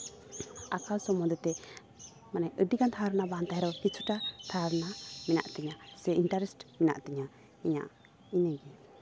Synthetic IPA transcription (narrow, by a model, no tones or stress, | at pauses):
akalsɔmɔd̪ɛt̪ɛ | manɛʔəɖikant̪ʰaɾnabant̪aɦɛɾɔkit͡ʃʰuʈat̪ʰaɾnamina̰ʔt̪ɛɲasɛinʈaɾɛsʈmina̰ʔt̪ɛɲa | iɲa̰ʔ | inəɡɛ